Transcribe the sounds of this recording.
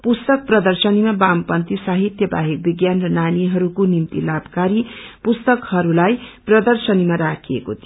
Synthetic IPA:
pust̪ʌk̚prʌd̪ʌrsʌnimabampʌnt̪isaɦit̪jʌba̰ɦik̚biɡjanrʌnaniɦʌɾukonimt̪ḭlabkaɾipust̪ʌkhʌɾulajprʌd̪ʌrsʌnimaɾakʰiekot̪

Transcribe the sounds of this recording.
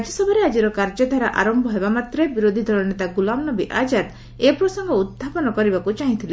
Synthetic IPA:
d͡ʒɔsɔbʱaɾead͡ʒiɾɔkaɾd͡ʒɔd̪ʱaɾaʔa̰ɾɔmbʱɔɦebamat̪ɾebiɾod̪ʱid̪ʱɔɭɔnet̪aɡulamnɔbiʔad͡ʒad̪ | epɾɔsɔŋɡɔud̪̚ʱapɔnɔkɔɾibakut͡ʃaɦĩt̪ʰile

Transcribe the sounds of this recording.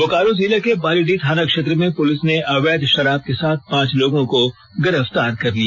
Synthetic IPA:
okaːɾoziːlakebaːliɖit̪ʰaːnakʃeːt̪̬ɾəmẽpʊlɪsneʔɐʋeːd̪ʃɐɾaːb̚kesaːt̪̚ʰpãːt͡ʃloːɡõko | ɡɪɾəft̪aːɾkɐɾlia

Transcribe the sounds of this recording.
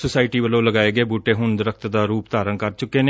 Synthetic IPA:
sʊsaːɪʈiːbəlõːləɡaːeːɡeːbuːʈeːɦʊɳd̪əɾəkʰt̪d̪aːɾuːpd̪aːɾənkəɾt͡ʃʊkːeːneː

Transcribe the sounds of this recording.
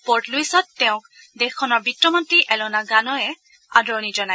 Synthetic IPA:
pɔɹtluisɔtːɛʊ̃k̚ | dɛxkʰːɔnɔɹbitɹɔmɔntɹiʔɛlɔnaɡanɔjɛ | a̰dɔnid͡ʒɔnaj

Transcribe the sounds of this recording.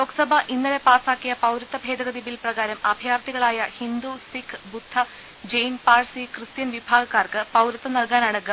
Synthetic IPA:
lo̞ːkːɐ̥sɐbʱɐʔinːɐle̞paːsaːkːijɐpɐwɾɐt̪ːɐbʱe̞ːd̪ɐɣɐd̪ibilprɐɣaːɾɐmɐbʱjaːrt̪iɣɐɭaːjɐhind̪usikʰbud̪ʱːɐ | d͡ʑejnpaːrsikrɨst̪jɐnʋibʱaːɡɐkːaːrkɨpɐwɾɐt̪ːɐnɐlkaːnaːɳɐkːɐ

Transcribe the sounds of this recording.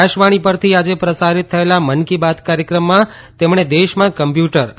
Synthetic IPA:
aʃʋaɽ̃ipəɾt̪ʰiad͡ʒepɾəsaɾit̪ʰːəelamənkibad̪kaɾjəkɾəmːã | t̪emɳ̃ed̪eʃmãkəmpjuʈəɾ

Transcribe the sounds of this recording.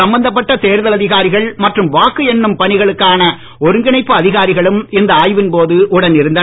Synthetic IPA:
ɐmbɐnd̪ɐp̬ːɐʈːɐt̪eːɾðɐlɐðɪɣaːɾɪɣɐɭmɐʈrɯmʋaːkɯɛnːɯmpɐnɪɣɐɭɯkːaːnɐ | ɔɾɯŋɡɪɳɐɪpːɯɐðɪɣaːɾɪɣɐɭɯmɪnd̪ɐaːjʋɪnpoːðɯʔʊɽɐnɪɾɯnd̪ɐ

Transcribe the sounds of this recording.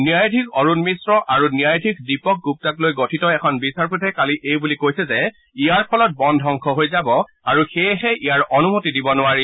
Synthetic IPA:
niajdʱikɔɹunmisɹɔʔaɹuniajdʱikdipɔk̚ɡup̚taklojɡotʰitɔɛkʰɔnbisaɹpʰutʰɛkaliʔejbulikojsɛzɛ | ijaɹpʰɔlɔt̚bɔndʱɦɔŋkʰɔɦojzabɔ | aɹuxeɦɛʔijaɹɔnumotidibɔnʊaɹi

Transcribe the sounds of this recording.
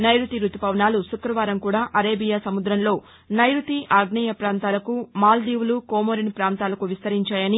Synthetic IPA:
nɐjɾut̪iɾut̪upɐʋnaːlusukɾɐʋaːɾɐmkuːɽaːʔɐɾeːbijaːsɐmud̪ɾɐnlo̞ː | nɐjɾut̪iʔaːɡɳɐjɐpɾaːnt̪aːlɐkumaːld̪iːʋulukoːmoːɾinpɾaːnt̪aːlɐkuʋist̪ɐɾiɲt͡ʃaːjɐni

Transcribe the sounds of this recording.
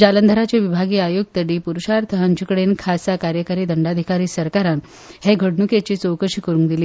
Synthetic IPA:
d͡ʑalənd̪ʱəɾat͡ɕeʋibʱaɡiːajoɡ̚t̪əɽiːpuɾuɕaɾt̪ʰəɦãɲt͡ɕikɽenkʰasakaɾjəkaɾiːd̪ʱəɳɖad̪ʱikaɾiːsəɾkaɾan | heɡʱəɽɳuket͡ɕiːt͡sowkəɕikəɾũŋkd̪iliː

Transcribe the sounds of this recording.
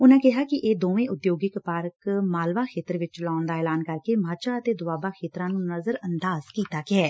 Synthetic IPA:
ʊnãːkɪɦaːkɪʔeːd̪oːʋẽːʔʊt̪joːɡɪkpaːɾəkmaːlʋaːkʰeːt̪əɾʋɪt͡ʃlaːnd̪aːɛːlaːnkəɾkeːmaːt͡ʃaːət̪eːd̪ʊaːbaːkʰeːt̪ɾãːnũːnəzəɾənd̪aːzkiːt̪aːkɪɛː

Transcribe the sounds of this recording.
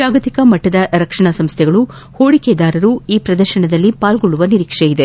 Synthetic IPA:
d͡ʒaːɡɐt̪ikɐmɐʈːɐd̪ɐɾɐkʂɐɳɐsɐmst̪ʰɛɡɐɭu | hoːɽiked̪aːɾɐɾuiːpɾɐd̪ɐɾʃɐɳɐd̪ɐlːipaːlɡoɭːuʋɐniɾiːkʂejid̪e

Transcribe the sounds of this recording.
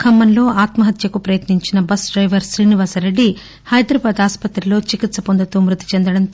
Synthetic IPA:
kʰɐmːɐnlo̞ːaːt̪mɐɦɐt̪jɐkupɾɐjɐt̪niɲt͡ʃinɐbɐsɖɾɐjʋɐɾsɾiːniʋaːsɐɾe̞ɖːi | hɐjd̪ɾɐbaːd̪aːspɐt̪ɾilo̞ːt͡ʃikit̪sɐpond̪ɐt̪umɾut̪i̥t͡ʃend̪ɐɽɐn

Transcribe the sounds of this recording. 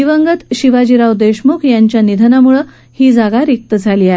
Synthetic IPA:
iʋəŋɡət̪ɕiʋad͡ʑiɾawd̪eɕmukʰjaɲt͡ɕjanid̪ʱənamuɭə | hiːd͡zaɡaɾik̚t̪əd͡zʱaliːaɦe

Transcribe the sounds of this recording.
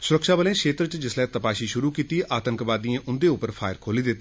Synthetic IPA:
sʊɾəkʃaːbəlẽːkʰeːt̪ɾt͡ʃd͡ʒɪslɛːt̪əpaːʃiːʃʊɾuːkiːt̪iːʔʔaːt̪əŋkʋaːd̪iẽːʔʊnd̪eːʊpəɾpʰa̰ːɪɾkʰoːliːd̪ɪt̪ː

